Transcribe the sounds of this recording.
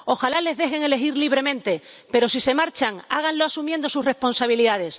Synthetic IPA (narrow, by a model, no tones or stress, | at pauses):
o̞xalale̞zðe̞xe̞ŋe̞le̞xiɾliβ̞ɾe̞mẽ̞nt̪e̞pe̞ɾo̞sise̞maɾt͡ʃaŋaɣ̞anloasumjend̪o̞sure̞spo̞nsaβ̞iliðað̞e̞s